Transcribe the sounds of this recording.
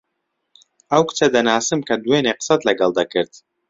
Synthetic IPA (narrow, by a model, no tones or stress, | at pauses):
ʔɐwkɨ̥t͡ʃɐd̪ɐnaːsɨmkʰɐd̪uweːneːqə̥sɐt̪lɐɡɐlˠd̪ɐkɨɾd̪